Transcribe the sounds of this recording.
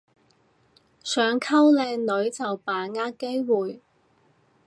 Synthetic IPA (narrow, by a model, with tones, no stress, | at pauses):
sœː˨˥ŋkʰɐ˥wlɛː˧ŋlɵ˨˧˥ɥt͡sɐ˨wpaː˨˩ŋaː˥ke˥jwuː˨j